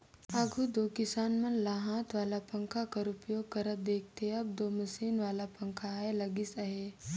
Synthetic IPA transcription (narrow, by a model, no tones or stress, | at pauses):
aɡʱud̪oːkɪsaːnmɐnlaːɦãːt̪ʋaːlapɐ̃ŋkʰakɐɾupjoːɡ̚kɐɾəb̚d̪eːk̚ʰt̪eɦeɐb̚d̪oːmɐsiːnʋaːlapɐ̃ŋkʰaelɐɡɪsaɦeː